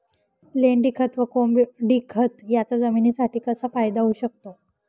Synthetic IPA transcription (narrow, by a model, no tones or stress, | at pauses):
leɳɖikʰət̪ʋəkombɖikʰət̪jat͡sad͡zəminiːsaʈʰiːkəsafajd̪aɦuːɕək̚t̪o